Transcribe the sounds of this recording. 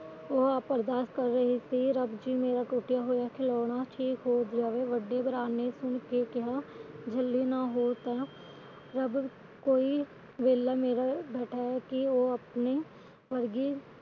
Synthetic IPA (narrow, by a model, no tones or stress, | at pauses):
oːaːpəɾd̪aːʃkəɾːəɦisiɾəbd͡ʒiːmeːɾaːʈuːʈɪjaːɦoːjaːkʰɪlɔːɽ̃aːʈʰiːkɦoːd̪d͡ʒaːʋeːʋəɖːebəɾaːnesʊɳkekɪɦaːd͡ʒʱəlːiːnaːɦoːt̪ɛː | ɾəb | koːi | ʋeːlːaːmeːɾabɛːʈʰaɛkioːəpneː | ʋəɾɡiː